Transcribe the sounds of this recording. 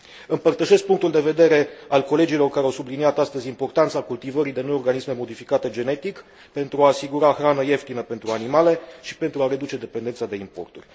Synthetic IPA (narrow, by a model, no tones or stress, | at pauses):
ɨmpərt̪əʃe̞sk̚puŋk̚t̪uld̪e̞ve̞d̪e̞ɾe̞alko̞le̞d͡ʒilo̞rkaɾeawsubliniat̪ast̪əzʲimpo̞rt̪ant̪sakult̪ivəɾid̪e̞nojo̞rɡanisme̞mo̞d̪ifikat̪e̞d͡ʒe̞ne̞t̪ik | pe̞nt̪ɾuaːsiɡuɾaxɾanəje̞ft̪inəpe̞nt̪ɾuanimale̞ʃi̥pe̞nt̪ɾuaɾe̞d̪ut͡ʃe̞d̪e̞pe̞nd̪ent̪sad̪e̞impo̞̰rt̪urʲ